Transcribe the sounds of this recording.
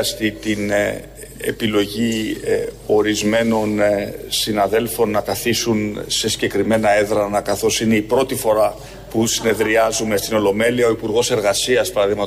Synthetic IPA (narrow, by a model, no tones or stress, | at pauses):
ɐst̪it̪in | ḛpilo̞ʝi | o̞ɾizme̞no̞nsinɐðe̞lfo̞nːɐkɐθisunse̞siɟe̞kɾime̞nɐe̞ðɾɐnɐkɐθo̞sine̞ipɾo̞t̪ifo̞ɾɐ | pusine̞ðɾiɐzume̞st̪ino̞lo̞me̞liɐo̞ipuɾɣo̞se̞ɾɣɐsiɐspɐɾɐðiɣmɐ